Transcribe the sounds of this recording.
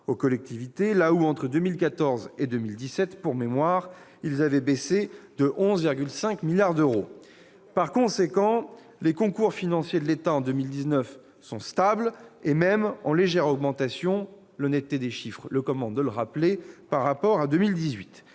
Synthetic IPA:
okɔlɛk̚t̪ivit̪elauɑ̃t̪χəd̪ømilkat̪ɔʁzed̪ømild̪isɛt̪puʁmemwaʁ | ilzavɛbesed̪əʔɔ̃zviʁɡʲylsɛ̃kmiljaʁd̪øʁo | paʁkɔ̃sekɑ̃ | lekɔ̃kuʁfinɑ̃sjed̪əlet̪aɑ̃d̪ømild̪iznœf | sɔ̰̃st̪ablemɛmɑ̰̃leʒɛʁɔɡmɑ̃t̪asjɔ̃ | lɔnɛt̪t̪ːed̪eʃifχləkɔmɑ̃d̪ələʁaplepaʁːapɔʁad̪ømild̪izɥit̪

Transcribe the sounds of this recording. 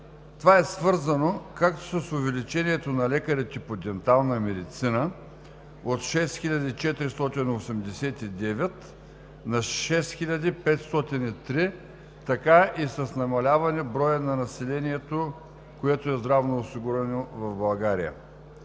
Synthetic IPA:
t̪ovaɛsvɤɾzɐnokak̚t̪o̥sɐsʊvɛlit͡ʃɛniɛt̪onɐlɛkəɾɛt̪ʲipod̪ɛnt̪alˠnɐmɛd̪it̪sinə | ot̪ʃɛsxilʲad̪it͡ʃɛt̪ɾist̪ɔt̪inosɛmd̪ɛsɛt̪id̪ɛvɛt̪ | nɐʃɛsxilʲad̪ipɛt̪st̪ɔt̪init̪ɾi | t̪ɐkaʔisɐsnɐmɐlʲavɐnɛbɾɔjənɐnɐsɛlɛniɛt̪o | koɛt̪oɛzd̪ɾavnoːsiɡuɾɛnovɐvbɐlˠɡaɾḭjə̰

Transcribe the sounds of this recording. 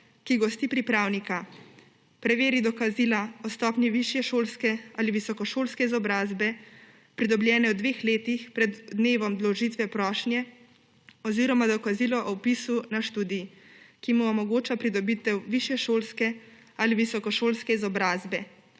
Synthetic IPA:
kiɡɔst̪iːpɾipɾaːwnika | pɾɛʋeːɾid̪ɔkaziːlaɔst̪ɔːpnjiʋiʃjɛʃoːlskɛaliʋisɔkɔʃoːlskɛizɔbɾaːzbɛ | pɾid̪ɔbljɛːnɛɔd̪ʋeːxleːt̪ixpɾɛd̪ːneːʋɔmd̪lɔʒiːt̪ʋɛpɾɔːʃnjɛ | ɔziːɾɔmad̪ɔkaziːlɔʔɔpisunaʃt̪uːd̪ikimuɔmɔɡoːt͡ʃapɾid̪ɔbiːt̪ɛwʋiʃjɛʃoːlskɛ | aliʋisɔkɔʃoːlskɛizɔbɾaːzbɛ

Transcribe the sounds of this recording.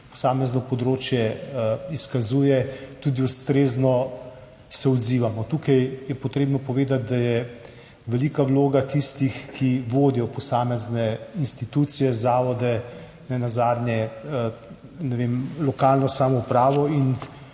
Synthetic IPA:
pɔ̥saːmɛznɔpɔd̪ɾoːt͡ʃjɛiskazuːjɛt̪ud̪iust̪ɾeːznɔ | sɛɔd̪ziːʋamɔt̪uːkajjɛpɔt̪ɾeːbnɔpɔʋeːd̪at̪̚d̪ajɛ | ʋɛliːkawloːɡat̪ist̪ixkʰiʋoːd̪ijɔpɔsaːmɛznɛinst̪it̪uːt̪sijɛzaːʋɔd̪ɛ | nɛnazaːd̪njɛ | nɛʋeːmlɔkaːlnɔsaːmɔupɾaːʋɔin

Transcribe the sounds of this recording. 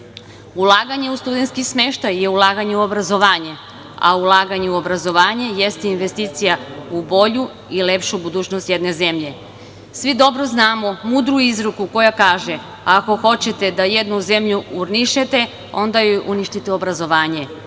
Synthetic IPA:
ulˠaːɡaɲe̞ust̪ud̪e̞nt̪skismeʃt̪ajːe̞ulˠaːɡaɲeuo̞bɾazo̞ʋaːɲe̞ | a̰ulˠaːɡaɲeuo̞bɾazo̞ʋaːɲe̞jest̪iinʋe̞st̪iːt̪sijaubo̞ʎu | ile̞pʃubud̪uːt͡ɕnost̪jed̪ne̞ze̞mʎe̞ | sʋid̪o̞bɾo̞znaːmo̞muːd̪ɾuizɾukuko̞jakaːʒe̞ | aːko̞xo̞t͡ɕet̪e̞d̪ajed̪nuze̞mʎuuɾniʃet̪e̞ | o̞̰nd̪ajoʔuniʃt̪it̪eo̞bɾazo̞ʋaːɲe̞

